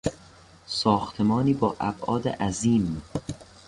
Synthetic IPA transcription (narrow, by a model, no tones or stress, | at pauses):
sɒːxt̪ʰe̞mɒːniːbɒːʔæbʔɒːd̪ḛʔæziːmː